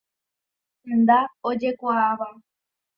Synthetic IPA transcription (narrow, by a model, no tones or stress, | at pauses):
hend̪aod͡ʒe̞kʷaaʋa